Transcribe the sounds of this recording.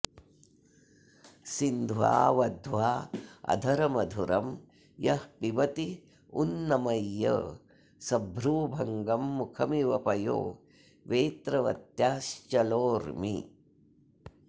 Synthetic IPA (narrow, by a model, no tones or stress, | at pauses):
sind̪ʱʋa̰ːʋɐd̪ʱʋaːɐ̰d̪ʱɐɾɐmɐd̪ʱuɾɐm | jɐhpiʋɐt̪i | unːɐmɐjːɐ̰ | sɐbʱɾuːbʱɐŋɡɐmːukʰɐmiʋɐpɐjo̰ː | ʋeːt̪ɾɐʋɐ̰t̪jaːʃt͡ʃɐloːɾmḭ